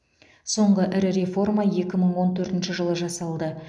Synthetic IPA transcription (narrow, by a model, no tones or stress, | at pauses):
so̞ɴʁəʔɪɾɪɾe̞fo̞rmɑje̞kʲɪməɴwo̞nt̪ʰɵɾt̪ɪnʃɪʒəlˠəʒɑsɑlˠd̪ə